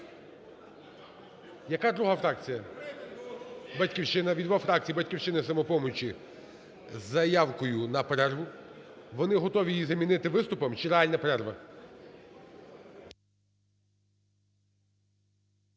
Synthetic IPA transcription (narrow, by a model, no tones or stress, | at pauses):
jɐkad̪ɾuɦafɾɑk̚t͡sʲijɐ | bɐtʲkʲiwʃɪnɐʋʲid̪ʋafɾɑk̚t͡sʲijibɐtʲkʲiwʃt͡ʃɪnɪsɐmɔpɔmɔt͡ʃʲi | zːɐjɑwkɔjʊnɐpɾɛrʋʊ | ʋɔnɪɦɔt̪ɔʋʲijizɐmʲinɪt̪ɪʋɪst̪ʊpɔmt͡ʃɪɾealʲnɐpɾɛrʋɐ